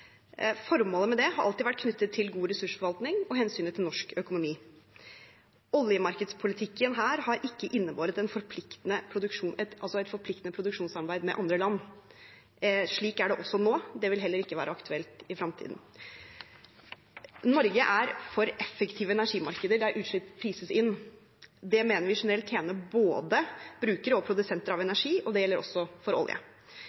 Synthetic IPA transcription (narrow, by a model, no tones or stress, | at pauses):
fɔɾmoːləmɛd̪ɛhɑɾʔɑlt̪ɪːʋæʈ̚ːkʰnʏt̪ːət̪ʰːɪlɡuːɾɛsʉʂfɔɾʋɑlt̪nɪŋɔɦɛnsyːnət̪ʰɪlnɔʂkœkʊnʊmiː | ɔljəmɑɾkəd̪spʰʊlɪt̪ʰɪkːənɦæːɾhɑɾʔɪkːəʔɪnːəboːɾət̪ɛnfɔɾpʰlɪkt̪ənəpʰɾʊd̪ʉʂuːnɛt̪ɑlsɔɛt̪fɔɾpʰlɪk̚t̪ənəpʰɾʊd̪ʉkʂuːnsɑɾbæɪd̪mɛ̰ʔɑnd̪ɾəlɑnː | ʂɭiːkæɖɛʔɔsːɔnoːd̪ɛʋɪlɦɛlːəɾɪkːəʋæːɾəɑkt̪ʰʉɛlt̪ɪfɾɑmt̪ʰḭːd̪n̩ | nɔɾɡəʔæɾfɔɾɛfːəkt̪ʰiːʋəɛnæʂiːmɑɾkəd̪əɖæɾʔʉːt̪ʂɭɪpʰɾiːsəsɪnː | d̪ɛmeːnəɾʋɪʂɛnəɾɛlt̪ʰːjeːnəboːd̪əb̥ɾʉːkəɾəɔpʰɾʊd̪ʉsɛnt̪əɾɑʋɛnæʂiːʔɔd̪ɛjɛlːəɾʔɔ̰sːɔfɔɾɔ̰lˠjə̰